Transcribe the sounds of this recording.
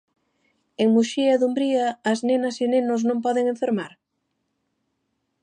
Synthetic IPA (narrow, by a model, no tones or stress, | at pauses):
eŋmuʃiɐðumbɾiɐːznenɐsinẽnʊsnõmpɔðeŋẽɱfeɾmaɾ